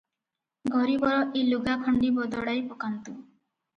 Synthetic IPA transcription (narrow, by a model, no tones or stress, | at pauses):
ɡʱɔɾibɔɾɔʔiluɡakʰɔɳɖibɔd̪ɔɽajpɔkant̪u